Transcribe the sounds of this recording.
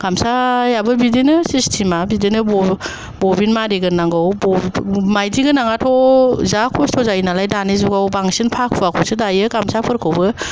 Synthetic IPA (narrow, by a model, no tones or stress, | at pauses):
ɡ̥amsajabɯbidinɯsistʰimabidinɯbɔ | bɔbinmaɾiɡɯnːaŋɡɯwbɔmajdiɡɯnaŋatʰɔzakʰɔstʰɔzainalajdanizuɡawbaŋsinpʰak̚pʰuakʰɔwsɯdajɯɡamsapʰɯɾkʰɯwbɯ